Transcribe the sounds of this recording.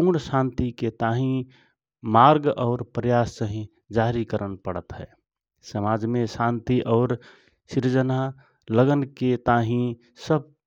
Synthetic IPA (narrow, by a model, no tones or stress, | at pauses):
puːɽsãːnt̪iket̪aːɦĩ | maɾɡɔːɾpɾəjaːssəɦĩ | d͡ʒaɾikəɾənpəɽət̪ɦɛ̰ː | səmaːd͡ʒmẽsãːnt̪iʔɔːɾ | siɾd͡ʒəna | ləɡənket̪aːɦĩ | səb̚